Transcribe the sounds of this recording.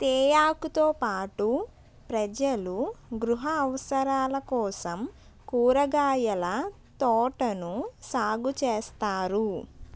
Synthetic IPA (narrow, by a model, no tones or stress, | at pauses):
t̪ɛːjaːkut̪oːpaːʈu | pɾɐd͡ʒɐluɡɾuɦɐːʋɐsɐɾaːlɐkɔːsɐm | kuːɾɐɡaːjɐlɐ | t̪ɔːʈɐnusaːɡut͡ʃeːst̪aːɾu